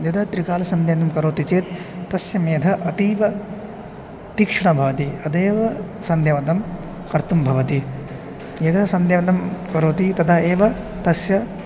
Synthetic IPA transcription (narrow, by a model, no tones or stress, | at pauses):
jɐd̪ɐt̪ɾikaːlɐsɐnd̪ʱjɐd̪ɐmkɐɾoːt̪it͡ʃeːt̪̚ːɐsjɐmjːd̪ʱɐʔɐt̪iːʋɐ | t̪iːkʂɐɳɐbʱɐʋɐt̪iɐd̪eːʋɐ | sɐnd̪jɐʋɐd̪ɐm | kɐɾt̪umbʱɐʋɐt̪i | jɐd̪ʱɐsɐnd̪ʱjɐʋɐd̪ɐmkɐɾoːt̪it̪ɐd̪aeːʋɐt̪ɐsjɐ